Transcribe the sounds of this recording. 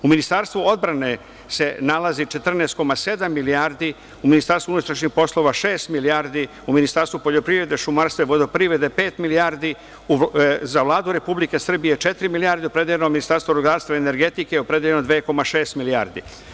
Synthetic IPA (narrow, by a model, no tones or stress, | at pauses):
uminist̪aɾst̪ʋuo̞d̪bɾane̞ | se̞nalazit͡ʃe̞t̪r̩neːst̪̚ko̞mase̞d̪amːilijaːɾd̪i | uminist̪aɾst̪uunut̪ɾaʃɲixpo̞slo̞ʋaʃe̞ːst̪milijaːɾd̪i | uminist̪aɾst̪ʋupo̞ʎo̞pɾivɾe̞d̪eʃumaɾst̪ʋeʋod̪opɾivɾe̞d̪epe̞ːt̪miliaːɾd̪i | uzaʋlˠaːd̪uɾe̞publike̞sr̩bije̞t͡ʃe̞t̪ɾimilijaːɾd̪eopɾe̞d̪jeʎenominist̪aɾst̪ʋoɾuɡaːɾst̪vaene̞ɾɡe̞t̪ikejopɾe̞d̪jeʎenod̪ʋeːko̞maʃe̞ːst̪milijaːɾd̪ḭ